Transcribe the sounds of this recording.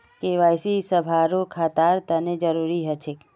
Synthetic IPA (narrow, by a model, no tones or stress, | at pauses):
keʋajsisəbʱaɾokʰat̪aɾt̪əned͡ʒəɾuɾiɦət͡ʃʰe